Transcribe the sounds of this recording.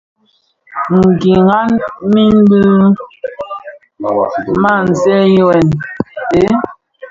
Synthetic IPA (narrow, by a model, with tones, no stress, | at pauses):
ŋ̩˨ɡi˨ŋa˦nmi˦n˦bɨ˦ | ma˦˨n̩˨zɛ˦jwɛ˨nte˨˦